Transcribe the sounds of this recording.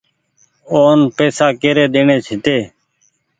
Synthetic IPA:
oːnpeːsaːkeːɾeːd̪eːɳeːt͡ʃʰɪt̪eː

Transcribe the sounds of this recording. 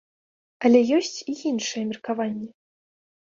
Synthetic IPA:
ɐlʲɛjɔsʲt͡sʲijinʂɨjɛmʲirkavanʲːɛ

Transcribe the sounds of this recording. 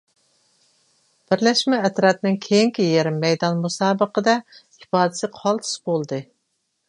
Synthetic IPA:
b̥ɪɾlɛʃmɛːt̪ɾɑt̪̚nɪŋkʲʰejiŋkʲʰijeɾɪmːɛjd̪ɑnmusɑːbəqəd̪ɛ | ipɑːd̪ɪsɪqʰɑlˠt̪ʰɨ̥sbolˠd̪ɨ

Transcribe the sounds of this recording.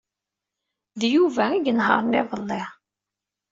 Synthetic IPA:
ðjuvæiɡnɦə̰ɾˤnɪðˤəlːɪ

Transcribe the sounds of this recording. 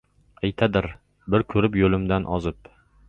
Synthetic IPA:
ajt̪ʰad̪ɪɾ | bɪɾkʲʰɵɾɪpjɵlɪmd̪anʔɒzɪp̚

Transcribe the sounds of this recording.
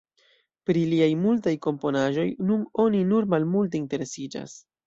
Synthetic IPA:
pɾiliajmultajko̞mpo̞naʒo̞jnuno̞ninuɾmalmulte̞inte̞ɾe̞sid͡ʒa̰s

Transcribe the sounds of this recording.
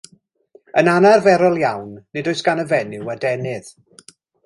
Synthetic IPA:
ənanarvɛɾɔlˠjawnːɨdɔɨsɡ̥anəvɛnɪwadɛnɨð̥

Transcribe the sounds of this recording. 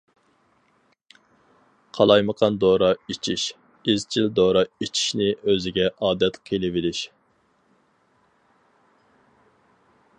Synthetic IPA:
qʰɑlˠɑjməqʰɑnd̪oɾɑit͡ʃʰiʃ | ɪzt͡ʃʰild̪oːɾɑit͡ʃʰi̥ʃnɪʔøzɪɡʲɛʔɑːd̪ɛt̪qʰelɪvɪlɪʃ

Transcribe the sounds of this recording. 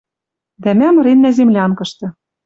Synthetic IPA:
d̪æmæmɤ̆ɾenːæzemlʲæɑnkɤ̆ʃt̪ɤ̆

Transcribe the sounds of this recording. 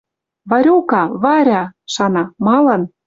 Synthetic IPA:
βɑɾʲokɑβɑɾʲɑʃɑnɑmɑlɤn

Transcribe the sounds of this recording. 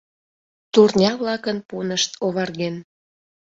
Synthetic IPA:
t̪urnʲɑβlɑkənpunəʃt̪ʰoβɑrɣen

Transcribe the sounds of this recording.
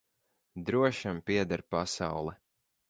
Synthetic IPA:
d̪ɾuɔʃampiɛd̪aɾpasawlˠɛ

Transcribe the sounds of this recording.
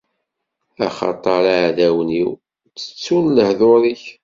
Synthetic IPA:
æ̰χɑ̰t̪ˤɑɾaʕðæwniw | t͡sːə̥t͡sːunləhðoɾˤiç

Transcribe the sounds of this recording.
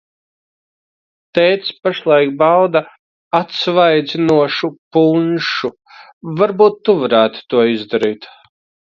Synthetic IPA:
t̪ɛːt̪spaʃlˠajk̚bawd̪a | at̪svajd̪zinuɔʃupunʃu | vaɾbuːt̪ːuvaɾæːt̪u̥t̪uɔizd̪aɾiːt̪

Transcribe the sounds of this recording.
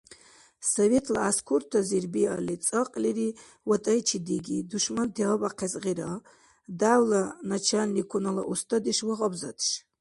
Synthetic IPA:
sovetʰlaaskʷʰurtʰazirbia̰lit͡sʼəqʼliri | watʼɐjt͡ʃʰidiɡʲiduʂmantʰeʁabʼaqʰezʁiɾa | dawlanat͡ʃʰalnikʰʷunala̰ʔust̪ʰad̪iʂwaʁabza̰tʰʼʂ

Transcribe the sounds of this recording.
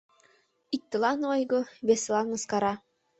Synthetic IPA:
ik̚t̪ːɤ̆lˠɑnojɡoβeslˠɑnːɤ̆skɑɾɑ

